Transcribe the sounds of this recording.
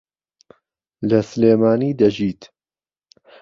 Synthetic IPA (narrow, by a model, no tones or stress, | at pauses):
lɐsleːmaːniːd̪ɐʒiːt̪